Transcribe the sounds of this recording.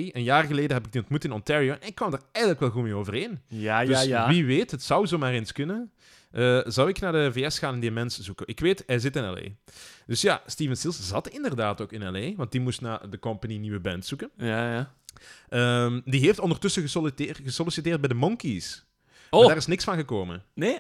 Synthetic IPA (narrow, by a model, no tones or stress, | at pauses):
iənjaːrɣəleːdəɦɛbɪɡ̚diɔntmutɪnɔntɛɹioʔɛnɪkːʋɑmdaːrɛjɣələkʋɛlˠɣumeːoːvərɦeːndøsʋiʋeːtɦətsʌwzoːmaːɾeːnskɵnə | ʔəːzʌwɪknaːdəveːɛsxaːnɛndiəmɛntsz̥ukənʔɪkʋeːtɛzɪtɪnɛ̰lḛːd̥ʏsja̰ːstiːvənsilˠszɑtɪndərdaːtoːkɪnɛlˠeːʋɑnt̚dimustnaːdəkɔmpaniniʋəbɛntsukən | ʔəmdiɦeːftɔndərtʏsəɣəsɔltːɣəsɔlisitɪːrd̚bɛjdəmɔŋkis | daːrɪsnɪksfɑnɣəkoːmə̰ne